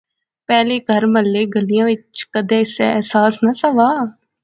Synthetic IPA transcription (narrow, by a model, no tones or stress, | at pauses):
pɛːleːɡʱəɾməlːeːɡəlijãːʋɪt͡ʃkəd̪ẽɪseɛːsaːsnasəʋaː